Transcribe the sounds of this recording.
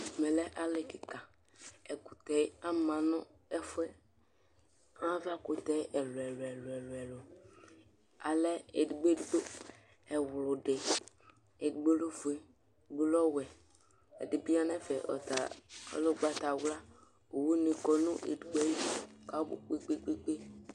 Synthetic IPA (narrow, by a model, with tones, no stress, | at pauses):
mɛ̃˨lɛ˦ʔa˨le˨ki˨ka˨ | ɛ˨ku˨t̪ɛ˨˦a˦mã˨nɔ̃˦ | ɛ˦fɛ˦ | ã˦va˦ko˨t̪ɛ˦ʔɛ˨lo˨ɛ˨lɛ˨lɛ˨lwɛ˨lo˨ | a˨lɛ˦e˨ɖɡ͡be˦ddo˦ | ɛ˨wlʊ˨ɖe˨ | e˨dɡ͡be˦lo˦vu˨e˦˨ | ɡ͡be˦lɔ˦wɛ˨ | ḛ˨di˨bi˦a˦nɛ̃˦fɛ˨ʔɔ̰˨t̪a̰˨˦lo˦ɡ͡ba˦t̪a˨wla˦ | o˨wu˦nĩ˨kɔ˨nũ˦ʔḛ˨du˨ɡ͡bɛ˦ji˦ka˨˦bo̰˨k͡pe˦ɡ͡be˦ɡ͡be˦ɡ͡be˦